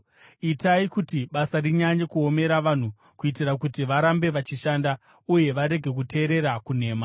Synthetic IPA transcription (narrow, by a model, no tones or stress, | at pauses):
itaikutiɓasariɲaɲekuome̞ɾaʋan̤u | kuit̬irakutiʋaɾambe̞ʋat͡ʃiʃaːnda | uje̞ʋaɾe̞ɡʱe̞k̬ute̞ːɾe̞ɾakun̤e̞ːma